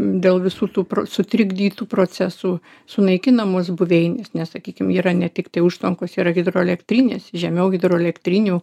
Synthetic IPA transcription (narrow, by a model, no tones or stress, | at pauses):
d̪ʲeːlˠʋʲɪsuːt̪uːpɾosʊt̪ʲɾʲɪɡd̪ʲiːt̪uːpɾoːt͡sʲɛsuː | sʊnɐɪkʲɪnɐmoːsbʊʋʲɛɪnʲeːsnʲɛssɐkʲiːkʲɪmiːɾɐnʲɛt̪ʲɪkt̪ɐɪʊʃt̪ʋɐŋkoːsiːɾɐɣʲɪd̪ɾoːɛlʲɛkt̪ʲɾʲɪnʲeːsʒʲɛmʲɛʊɣʲɪd̪ɾoːɛlʲɛkt̪ʲɾʲɪnʲuː